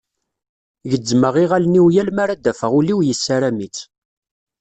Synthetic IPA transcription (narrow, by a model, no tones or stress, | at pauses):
ʝəd͡zːməʁiʁælniwjælmaɾæd̪æfəʁuliwjəsːaɾæmit͡s